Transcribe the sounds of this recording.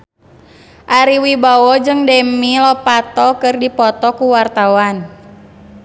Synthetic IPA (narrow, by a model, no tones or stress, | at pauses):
ʔaɾiwibawɔd͡ʒɨŋdɛmilɔpat̪ɔkɨrdipɔt̪ɔkuwart̪awan